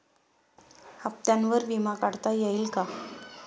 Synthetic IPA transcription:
ap̚t̪janʋəɾʋimakaɽt̪ajeilka

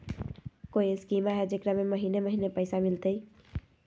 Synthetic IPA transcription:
kojeskimaɦed͡ʒekɾameməɦineməɦinepəɪsamilt̪əj

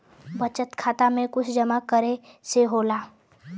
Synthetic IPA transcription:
bət͡ʃət̪kʰaːt̪amẽkʊt͡ʃʰd͡ʒəmakəɾe | seɦoːlaː

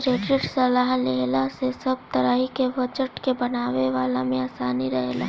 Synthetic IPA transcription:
ɾeːʈɾɪʈsɐlaːɦleːlasesɐb̚t̪ɐɾaːɦikeʋot͡ʃəʈkebɐnaːʋeʋaːlamẽaːsaːniɾɐɦla̰

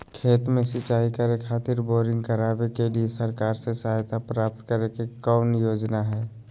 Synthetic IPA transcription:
kʰeːt̪mẽsɪt͡ʃaːɦikəɾekʰaːt̪ɪɾboːɾɪ̃ŋɡkəɾaːʋekeliesəɾkaːɾsesəajt̪ʰapɾaːp̚t̪kəɾekekɔːnjoːd͡ʒnaɦɛː

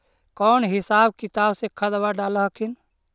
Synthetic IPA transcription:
kɔːnɦɪsaːbkit̪aːbsẽkʰəd̪baɖaləɦəkʰin

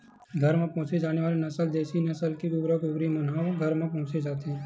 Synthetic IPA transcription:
ɡʱɐɾmẽpɔ̃ːt͡ʃed͡ʒaːneʋaːlenɐsəld̪eːʃinɐsəlkiɡʊɡɾəkʊɡɾimɐnaːʋɡʱɐɾmẽpɔ̃ɦʊ̃t͡ʃed͡ʒaːt̪eɦɛ̃ː

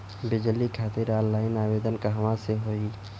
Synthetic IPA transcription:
bɪd͡ʒəlikʰaːt̪ɪɾaːlːaːɪnaːʋeːd̪ənkaɦɐʋãseɦoːi

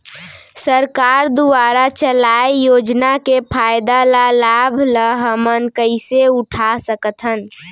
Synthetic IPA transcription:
səɾkaɾd̪uaɾat͡ʃəlajjod͡ʒnakepʰajd̪alalabʱləɦəmənkəɪseuʈʰasəkət̪ʰɦən

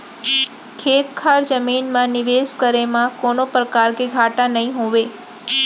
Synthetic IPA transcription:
kʰet̪kʰaɾd͡ʒəminmãniʋeskəɾemãkonopɾəkaɾkeɡʱaʈãnəɦĩɦoʋe

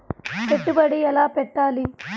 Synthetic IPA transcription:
peʈːubɐɽiɛlaːpɛʈːaːli

